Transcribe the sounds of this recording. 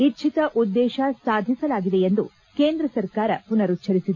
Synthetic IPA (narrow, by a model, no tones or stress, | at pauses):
it͡ʃʰit̪ɐʔud̪ːɛːʃɐsaːd̪ʱisɐlaːɡid̪eend̪ṵ | keːnd̪ɾɐsɐɾkaːɾɐpunɐɾut͡ʃʰɐɾisid̪e